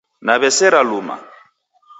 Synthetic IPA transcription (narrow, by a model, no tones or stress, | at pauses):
naβɛsɛɾaluma̰